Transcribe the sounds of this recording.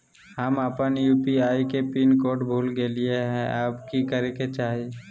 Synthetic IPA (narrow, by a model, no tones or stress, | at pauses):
həməpənjuːpiaːikepinkoːʈbʱuːlɡeːlieɦɛ̃aːpkikəɾeket͡ʃaːɦie